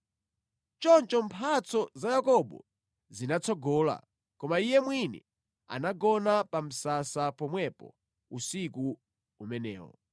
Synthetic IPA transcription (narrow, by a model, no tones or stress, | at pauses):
t͡ʃɔnt͡ʃɔmpʰat͡sɔzajakɔɓɔ̰ | zinat͡sɔɡɔːla̰ | kɔmaijɛmwinɛ̰ | a̰naɡɔnapam̩sasapɔmwɛpɔ̰ | usiku | umɛnɛ̰ːwɔ̰